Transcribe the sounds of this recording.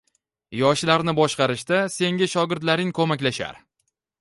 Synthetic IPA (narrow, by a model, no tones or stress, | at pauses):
jɒʃlaɾnɪbɒʃqɑɾɪʃt̪ase̞ŋɡʲaʃɒɡʲɪɾd̪laɾɪŋkʰɵmakʲlaʃa̰ɾ